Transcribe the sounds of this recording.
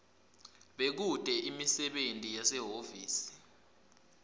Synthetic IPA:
ɓek̬ud̥ʱʼɛʔimisɛɓentʼijasɛɦofiːsi̥

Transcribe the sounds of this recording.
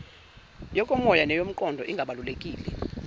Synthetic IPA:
jɔkʼɔmɔjanɛjom̩ǃʼɔndʱɔʔiŋɡʱaɓalulekʼiːlɛ

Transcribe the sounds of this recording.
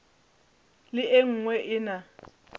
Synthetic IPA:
lɪʔeŋ̩ŋwɛʔɪna

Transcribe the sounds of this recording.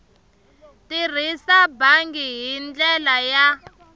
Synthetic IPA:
tir̤isabaŋɡiɦind͡ɮɛlaja

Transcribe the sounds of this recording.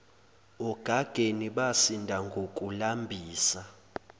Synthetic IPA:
ɔɡ̥ʱaɡ̥ʱeniɓasindʱaŋɡʱokʼulambʱiːsa

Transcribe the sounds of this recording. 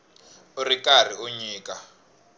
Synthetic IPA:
urikar̤iuɲiːka

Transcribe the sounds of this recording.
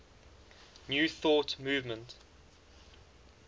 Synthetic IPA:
njuːθɔˑtmuːvmə̃nt

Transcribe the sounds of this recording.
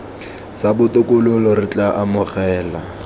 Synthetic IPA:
sabʊtʼʊkʼʊlʊlɔɾɪt͡ɬʼaʔamʊχɛːla

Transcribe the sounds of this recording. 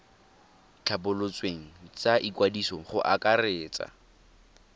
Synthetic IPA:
t͡ɬʰabʊlʊt͡sʼweŋ̩t͡saʔikwadisɔχʊʔakʼareːt͡sʼa̰

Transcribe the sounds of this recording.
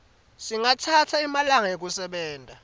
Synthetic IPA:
siŋatʰatʰaimalaŋajek̬ʼusɛɓɛːntʼa

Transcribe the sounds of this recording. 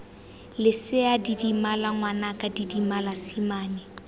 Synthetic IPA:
lɪsɪadidimalaŋwanakʼadidimalasimaːni

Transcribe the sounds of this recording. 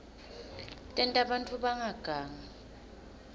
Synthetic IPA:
tʼɛntʼaɓantʼuɓaŋaɡ̥ʱaːŋa

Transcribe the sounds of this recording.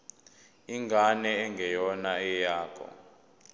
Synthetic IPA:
iŋɡʱanɛːŋɡʱɛjɔnaɛjaːkʰɔ̰

